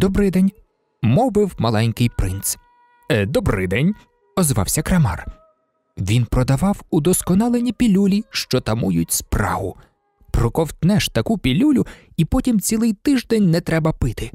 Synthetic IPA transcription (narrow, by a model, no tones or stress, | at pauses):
d̪̥ɔbɾɪjd̪ɛnʲ | mɔʋɪwmɐlˠɛnʲkɪjpɾɪnt̪s | ɛd̪ɔbɾɪ̰jd̪ɛnʲ | ɔzʋɑ̰wsʲɐkɾɐmɑ̰r | ʋʲinpɾɔd̪ɐʋɑwud̪ɔskɔnɑlˠenʲipʲilʲulʲiʃt͡ʃɔt̪ɐmujʊt̚ʲsprɑ̰ɦʊ | pɾɔkɔwt̪nɛʃt̪ɐkupʲilʲulʲʊ | ipɔtʲimt͡sʲilˠɪjt̪ɪʒd̪ɛnʲnɛt̪ɾɛbɐpɪt̪ɪ